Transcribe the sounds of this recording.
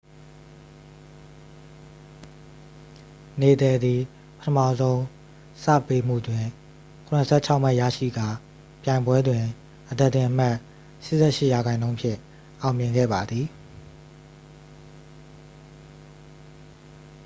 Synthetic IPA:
ne˨t̪ɛ˨d̪ði˨ | pətʰəmä̰˦˨zõ˦ʊ̃ | sä̰˦˨pe˦m̥ṵ˦˨dwɪ̃˨ | kʰʊ̃˨nə˨sʰɛ̰˦˨t͡ɕʰa˦ʊm̥a˦˨ja̰˦˨ʃḭ˦˨ɡa˦˨ | pjã˨ɪ̃mbwɛ˦dwɪ̃˨ | ʔəd̪ɛ˦˨ʔt̪ːɪ̃˨ʔəma˦ʔ | ʃɪ̰˦ʔsɛ̰˦˨ʃɪ˦ʔja˨ɡã˨ɪ̃nõ˦ʊ̃mpʰjɪ̰̃˦˨ | ʔã˨ʊ̃mjɪ̃˨ŋɡɛ̰˦˨ba˨d̪ði˨

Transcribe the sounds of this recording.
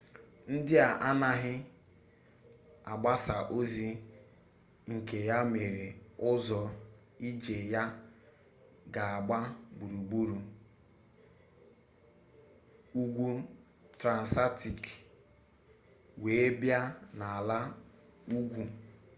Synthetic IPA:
n̩˦dɪ˦a˨ʔa˦na˦ɦɪ˦ | a˨ɡ͡ba˦sa˨ʔo˦zi˦ | ŋ̩˨ke˨ja˦me˨ɾe˨ | ʊ˦zɔ˨ | i˦d͡ʒe˨ja˦ | ɡa˨a˨ɡ͡ba˦bu˨ɾu˨ɡ͡bu˦ɾu˨ | u˦ɡʷu˦ | tɾa˨n̩˨sa˦ti˨k | we˨˦bja˦na˨a˨la˦ | u˦ɡʷu˨

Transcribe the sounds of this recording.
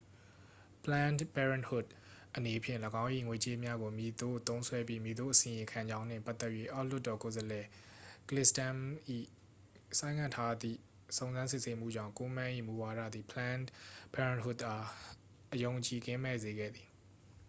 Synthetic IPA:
plã˦npɛ˦ɹã˨nhʊ˦˨t̚ | ʔəne˨pʰjɪ̰̃˦˨ləɡã˦ʊ̃ʔḭ˦˨ŋwe˨t͡ɕe˦mja˦ɡo˨mi˨d̪o˦˨t̪õ˦ʊ̃sʰwɛ˦bji˦mji˨d̪o̰˦ʔəsɪ̃˨ɪ̃˨kʰã˨ɲd͡ʑã˦n̥ɪ̰̃˦˨pa˦t̪ːɛ˦ʔjwe˦˨ʔa˦ʊl̥ʊ˦tːɔ˨ko˨zəlɛ˨ | klɪ˦stã˦mʔḭ˦˨ | sã˦ɪ̃ŋʰã˦˨tʰa˦d̪ðḭ˦˨ | sõ˨ʊ̃nzã˦nsɪ˦ʔse˦m̥ṵ˦˨d͡ʑã̰˦˨ko˦mã˦˨ʔḭ˦˨mu˨wa˨ɾa̰˦˨d̪ðḭ˨pʰəlã˦npɛ˦ɹã˨nɦʊ˦tʔa˨˦ | ʔəjõ˨ʊ̃ɲt͡ɕi˨ɡɪ̃˦mɛ˦˨ze˨ɡɛ̰˦˨d̪ði˨

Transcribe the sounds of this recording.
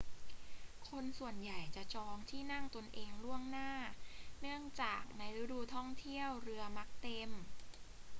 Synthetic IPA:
kʰo˧nsu˨˩ənja˨˩jt͡ɕa˨˩ʔt͡ɕɔː˧ŋt̪ʰiː˥˩na˥˩ŋt̪o˧nʔeː˧ŋlu˥˩əŋnaː˥˩nɯ˥˩əŋt͡ɕaː˨˩k̚na˧jɾu˦˥duː˧t̪ʰɔ˥˩ŋt̪ʰi˥˩əwɾɯ˧ɐma˦˥k̚t̪e˧m

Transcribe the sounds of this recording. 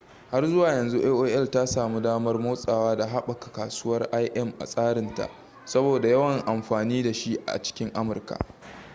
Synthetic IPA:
ha˦rzʊ˦waː˨jɐ˨nzu˦ʔeː˦ʔoː˦ʔɛ˦lta˦saː˨mu˦daː˦mɐ˦rmoː˦sʼaː˨waː˦da˨ɦa˦ɓɐ˨kḁ˨kaː˨suː˦wɐ˦rʔa˦jʔɛ˦˨mʔa̰˨sʼaː˦ɽɪ˨nta̰˨ʔ | sɐ˦boː˨da˨jɐ˦wɐ˨ŋʔa˨mɸaː˨niː˦da˨ʃi˦ʔa̰˨t͡ʃɪ̥˦kʲɪ˦ŋʔa˦mʊ˨rka̰˨ʔ

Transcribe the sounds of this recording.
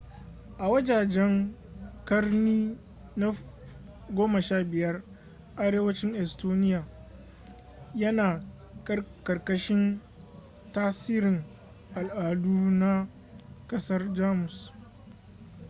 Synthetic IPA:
ʔa˨wɐ˦d͡ʒaː˨d͡ʒɛ˦ŋkɐ˦rniː˦ | na˦ | ɡʷoː˦mɐ˨ʃaː˦bɪ˨jɐ˦r | ʔa˦ɽeː˦wɐ˦t͡ʃɪ˦ŋʔɛ˨stoː˦nɪ˦jaː˨ | jɐ˦naː˨ | kɐ˦kɐ˨rkɐ˦ʃɪ˦n | taː˦siː˦ɾɪ˨ŋ | ʔa˨lʔaː˨duː˦na˦ | kʼɐ˦sɐ˦rd͡ʒaː˦mʊ˨s

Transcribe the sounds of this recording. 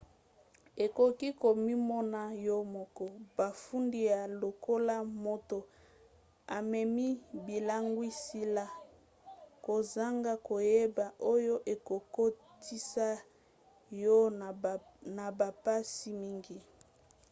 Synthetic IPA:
e˨ko˨ki˦ko˨mi˦mɔ˦na˨jɔ˦mɔ˨kɔ˨ba˨fu˦ndi˦ja˨lo˨ko˦la˦mo˦to˨ | a˨mɛ˨mi˦bi˨la˦ŋɡwi˦si˦la˨ | ko˨za˦ŋɡa˦ko˨je˦ba˨ʔo˦jo˦ʔe˨ko˨ko˦ | ti˦sa˦ | jɔ˦ | na˨ba˨pa˦si˦mi˦ŋɡi˦

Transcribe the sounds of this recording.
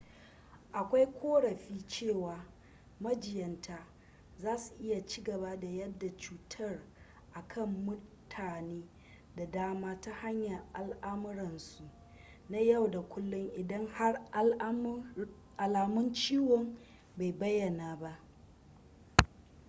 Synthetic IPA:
ʔa˨kʷa˦jkʷoː˦ɽɐ˨ɸiː˦t͡ʃeː˦˨waː˨ | mɐ˦d͡ʒɪ˨jɐ˨ntaː˦ | zaː˦su̥˨ʔɪ˦ja˨t͡ʃiː˦ɡɐ˨ba˦da˨jɐ˦dːa˨t͡ʃuː˨tʰɐ˦r | ʔa˨kʰɐ˦˨mːʊ˦tʰaː˨neː˦ | da˨daː˦maː˦ta˦ha˦ɲja˨ʔa˨lʔa˦mʊ˦ɾɐ˨nsu˨ʔ | na˦ja˦˨wda˨kʷʊ˦lːʊ˦ŋʔɪ˨dɐ˦ŋha˦r | ʔa˨laː˨mʊ˦nt͡ʃiː˦wɔ˨m | ba˨jbɐ˦jːɐ˨naː˨ba˦ʔ

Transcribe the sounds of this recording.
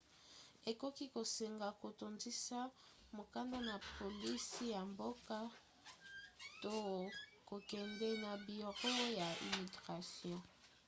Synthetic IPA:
e˨ko˦ki˦ko˨se˨ŋɡa˨ko˨to˨nzi˦sa˦ | mo˨ka˦nda˦na˨po˨li˦si˦ja˨mbo˦ka˦ | to˦ko˨kɛ˨ndɛ˦na˨bi˨o˨ʁo˦we˦ja˨ḭ˨mi˨ɡʁa˨sjɔ̃˦˨

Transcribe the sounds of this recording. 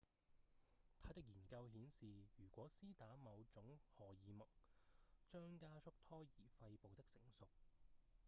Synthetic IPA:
t̪ʰaː˧˥t̪ɪ˥k̚jiː˨˩nkɐ˧wɦiː˨˥nsiː˨jyː˨˩kʷɔː˨˥siː˥t̪aː˨˥mɐ˨˧wt͡ʃʊ˨˥ŋhɔː˨˩jiː˨˧mɐ˨k̚t͡ʃœː˥ŋkaː˥t͡ʃʰʊ˥k̚t̪ʰɔː˥jiː˨˩fɐ˧jpo˨wt̪ɪ˥k̚sɪ˨˩ŋsʊ˨k̚

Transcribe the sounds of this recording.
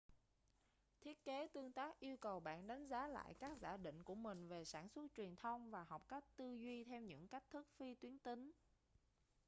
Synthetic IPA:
t̪ʰi˦˥ət̚ke˨˦t̪ɨ˧əŋt̪aː˦˥k̚ʔi˧əwkə˨˩wɓa̰ː˧˨nɗa˨˦jŋ̟zaː˨˦la̰ː˧˨jkaː˦˥k̚za̰ː˧˩ɗḭ̈˧˨ŋ̟ku˧˩əmï˨˩ŋ̟ve˨˩saː˧˩nswə˦˥t̚t͡ɕwi˨˩ənt̪ʰə˧wŋ͡mvaː˨˩ɦɔ˨˩wk͡p̚ka˦˥jk̟̚t̪ɨ˧zwi˧t̪ʰɛ˧wɲɨ̰˧˥ŋka˦˥k̟̚t̪ʰɨ˦˥k̚fi˧t̪wi˨˦ənt̪ï˨˦ŋ̟

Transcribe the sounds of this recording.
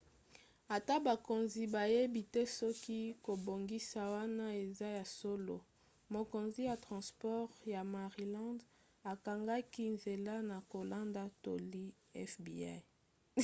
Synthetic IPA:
a˨ta˦ba˨ko˨nzi˨ba˨je˦bi˨tɛ˦sɔ˦ki˦ko˨bo˨ŋɡi˦sa˨wa˦na˦e˨za˦ja˨so˦lo̰˨ | mo˨ko˨nzi˦ja˨tʁɑ̃˨spɔ˦ʁja˨ma˨ʁi˨lɑ̃˦nd | a˨ka˨ŋɡa˦ki˦nze˨la˦na˨ko˨la˦nda˦to˨li˦ | ɛ˦fbḭ˨a˦

